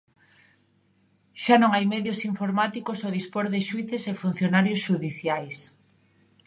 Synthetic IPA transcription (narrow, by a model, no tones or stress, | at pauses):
ʃanõŋajmɛðjosiɱfoɾmat̪ikosoðispoɾðeʃuiθesefun̟θjonaɾjosʃuðiθjajs